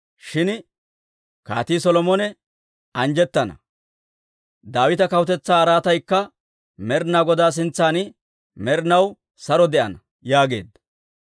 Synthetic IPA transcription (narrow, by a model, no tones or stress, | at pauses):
ʃɪn | ka̰ːt̪iːsɔlɔmɔnɛ | ɐnd͡ʒɛt̪ːɐnɐ̰ | d̪aːwɪt̪ɐkɐwʊt̪ɛt͡sːaːɾaːt̪ɐjkːɐ | mɛɾnaːɡɔd̪aːs̬ɪnt͡sːaːnɪ | mɛɾnɐw | sɐɾɔd̪ɛʔɐ̰nɐ | jaːɡe̞̰ːd̪ːɐ̥